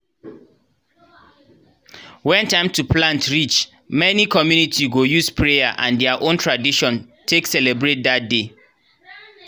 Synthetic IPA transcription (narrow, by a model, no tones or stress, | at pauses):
wɛ̃ntãɪ̃mtʰupʰlãntʰɹit͡ʃ | mɛnikʰɔmjunitʰiɡojuspʰɹejaʔã̰ndɛəʔõntʰɹadiʃɔ̃n | tʰeksɛlɛbɹet̚dat̚de